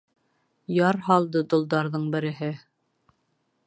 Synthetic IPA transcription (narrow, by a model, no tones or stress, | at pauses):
jɑɾɦɑlˠd̪ɤd̪ŏlˠd̪ɑɾðɤɴbɘ̆ɾɘ̆ɦɘ